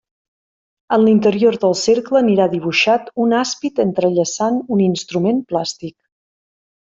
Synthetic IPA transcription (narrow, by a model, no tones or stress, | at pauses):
ənlint̪əɾioɾðəlˠseɾkləniɾaðiβuʃat̪unaspit̪ənt̪ɾəʎəsanuninst̪ɾumenplast̪ik̚